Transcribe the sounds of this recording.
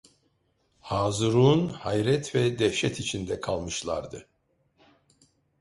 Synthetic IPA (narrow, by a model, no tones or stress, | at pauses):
haːzɯɾuːnhajɾɛt̪vɛd̪ɛʃɛt̪ʰit͡ʃʰind̪ɛkʰalˠmɯʃlˠa̰ɾd̪ɯ̰